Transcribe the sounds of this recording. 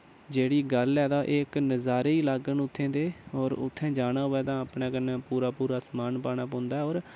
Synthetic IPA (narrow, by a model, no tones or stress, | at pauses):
d͡ʒeːɽiːɡəlɛːd̪aːʔeːknəzaːɾeːiːlaːɡənʊt̪ʰːẽːd̪eːɔːɾʊ̰t̪ʰːɛ̃ːd͡ʒaːɽ̃aːɦoːɛːt̪ãːəpɳẽːkənːɛ̃ːpuːɾaːpuːɾaːsmaːnpaːɽ̃aːp̬õːnd̪aːɛːoːɾ